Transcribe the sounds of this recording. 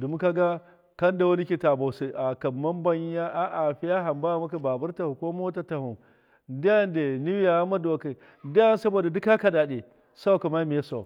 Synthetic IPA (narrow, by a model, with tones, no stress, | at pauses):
du˨mu˦ka˦ɡa˦ | kɐ˦nda˨wɐ˦ni˦kʲi˦ta˨ba˨se˦ʔa˨kɐː˨a˦mba˦ɲ˦ja˦ʔa˦ʔa˨ɸi˦ja˦ɦa˨mba˦a˨ma˦k̬a˨ba˨bɐ˦ɾta˨hu˨kʷo˦mo˦ta˨ta˨hu˨ | da˦a˦nde˨ni˦wi˦ja˨a˦ma˦do˨ka˨ | da˦ja˦n˦sɐ˦bo˨da˨du˦ka˦ka˨da˨ɗe˨ | sa˦wka˨ma˦mi˨ja˦sa˨